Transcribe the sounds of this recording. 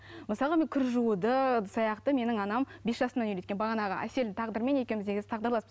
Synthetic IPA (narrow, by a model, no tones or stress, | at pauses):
məsɑlˠʁəmeŋkʲʰʏɾʒuəd̪əsɑjɑqt̪əme̞nɪŋɑnɑmbe̞sʒ̥ɑsənɑnʏlekʲenbɑʁɑnɑʁɑ̰ʔæ̰se̞ld̪ɪt̪ʰɑʁd̪əɾmenje̞kʲemɪzd̪e̞ɡʲɪzɪ̥t̪ɑqd̪ɑɾlˠɑspəz